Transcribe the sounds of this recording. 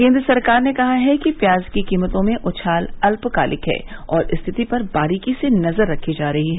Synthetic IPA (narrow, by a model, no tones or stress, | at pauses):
kẽːnd̪ɾəsɐɾkaːɾnekɐɦaɦɛkipjaːzkikiːmət̪õmẽʔʊt͡ʃʰaːlɐlpkaːlʔɪkɦɛ̰ːɔːɾʔɪst̪ʰɪt̪ipɐɾbaːɾiːkisenɐzəɾːɐkʰːid͡ʒaːɾɐɦiɦɛː